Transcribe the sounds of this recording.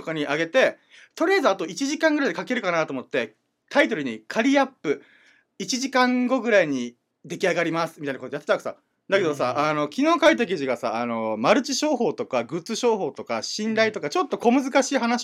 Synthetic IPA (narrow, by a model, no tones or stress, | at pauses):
tokaɲ̟iʔaɡe̞t̪e̞ | t̪o̞ɾʲijazɨat̪o̞it͡ɕiʑikãŋɡɯɾaid̪ekake̞ɾɯ̟kanat̪oːmo̞t̪ːe̞ | t̪ʰait̪o̞ɾɯ̟ɲ̟ikʰaɾʲiapːɯ̟ | it͡ɕiʑikãŋɡo̞ɡɯ̟ɾaiɲ̟i | d̪e̞kʲiaɡaɾʲimasɨ̥mʲit̪ainakot̪ojat̪ːeakɯ̟sa̰ | d̪ake̞d̪osaʔano̞kʲino̞ːkait̪̬ek̬ʲiʑiɡasa̰ano̞maɾɯ̟t͡ɕiɕo̞ːɦo̞ːt̪o̞kaɡɯ̟t͡sɨɕo̞ːɦo̞ːt̪o̞kaɕĩnɾait̪o̞kat͡ɕo̞t̪ːo̞ko̞mɯ̟zɨkaɕiːɦanaɕ